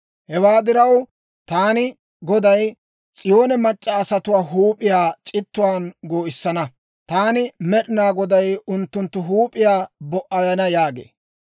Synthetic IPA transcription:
hɛwaːd̪ɪɾɐw | t̪aːnɪ | ɡɔd̪ɐj | t͡sʼɪjo̞ːnɛmɐt͡ʃʼːɐːsɐt̪ʊwaːɦuːpʼɪjaːt͡ʃʼɪt̪ːʊwaːnɡoːɪsːɐnɐ | t̪aːnɪmɛɗɪnaːɡɔd̪ɐjʊnt̪ːʊnt̪ːʊɦuːpʼɪjaːbɔʔɐjɐnɐjaːɡḛː

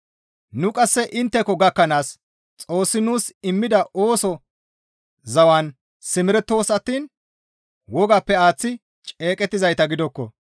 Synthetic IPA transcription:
nʊkʼɐsːɛʔɪnt̪ːɛkːɔɡɐkːɐnaːs | t͡sʼo̞ːsːɪnuːsɪmːɪd̪ɐʔoːsɔ | zɐwɐn | sɪmɪɾɛt̪ːo̞ːsɐt̪ːiːn | wɔɡapːɛaːt͡sːɪ | t͡ʃʼe̞ːkʼɛt̪ːɪzɐjt̪ɐɡɪd̪ɔkːɔ̰

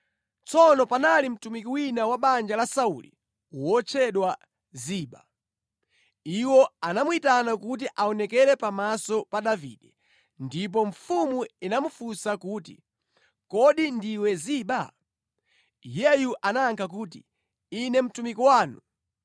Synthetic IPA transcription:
t͡sɔnɔpanalim̩tumikiwinawaɓand͡ʒalasaṵlḭ | wɔt͡ʃʰɛɗwa | ziːɓa̰ | iwɔanamuitanakut̬iʔaɔnɛkɛɾɛpamasɔpaɗavḭɗɛ | ndip̬ɔɱfumuinamufusakuːtḭ | kɔɗindiwɛziɓa | jɛjuʔanaːŋkʰakuːt̬ḭ | inɛm̩tumikiwaːnṵ

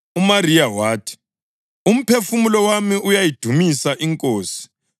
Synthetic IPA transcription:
umarijawaːtʰi̥ | um̩pʰefumulɔwamiʔujajid̥ʱumisaʔiŋkʼoːsi̥

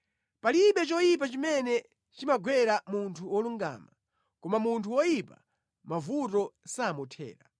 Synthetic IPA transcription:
paliɓɛt͡ʃɔjip̬at͡ʃimɛnɛ | t͡ʃimaɡwɛɾamuntʰuwɔluŋɡa̰ːma | kɔmamuntʰuwɔjipa̰ | mavutɔsamɔtʰɛ̰ːɾa

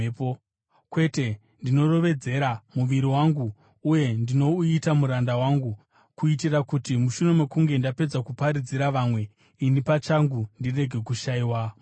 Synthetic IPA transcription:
po | kwe̞te̞ | ndino̞ro̞ʋe̞d͡ze̞ɾamuʋiɾiwaŋɡuː | je̞ndino̞uitamuɾandawaŋɡu | kuit̬irakutimuʃuno̞mwe̞kuŋɡe̞ndape̞d͡zakupaɾid͡ziɾaʋamwe̞ | inipat͡ʃaŋɡundire̞ɡʱe̞kuʃaiːwa

